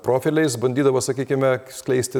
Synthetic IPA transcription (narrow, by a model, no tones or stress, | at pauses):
pɾoːfʲɪlʲɛɪsbɐnʲd̪ʲiːd̪ɐʋɐsɐkʲiːkʲɪmʲɛsʲklʲɛɪsʲt̪ʲɪ